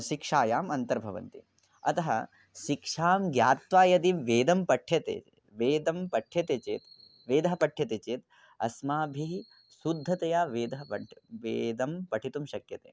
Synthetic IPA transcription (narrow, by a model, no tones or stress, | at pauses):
ʃikʂaːjaːmɐnt̪ɐɾbʱɐʋɐ̰nt̪ḭ | ɐt̪ɐɦɐ̰ | ʃikʂaːmɡjaːt̪ʋaːjɐd̪imʋeːd̪ɐmpɐʈʰjɐt̪ḛː | ʋeːd̪ɐmpɐʈʰjɐt̪eːt͡ʃeːt̪ | ʋeːd̪ɐɦɐpɐʈʰjɐt̪eːt͡ʃeːt̪ | ɐsmaːbʱi | sud̪ʱːɐt̪ɐjaːʋeːd̪ɐɦɐpɐʋeːd̪ɐmpɐʈʰit̪umʃɐkjɐt̪ḛː